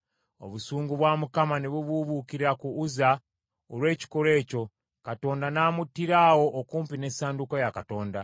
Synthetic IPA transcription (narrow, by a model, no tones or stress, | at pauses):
o̞̰βusuːŋɡuβwaːmukamaneβuβuβukiɾiɾakuːza | olwe̞ːci̥koɾe̞ːco̞ | kato̞ːndanaːmutːiɾaːwo̞ʔokuːmpine̞ːsaːndukojakato̞ːnda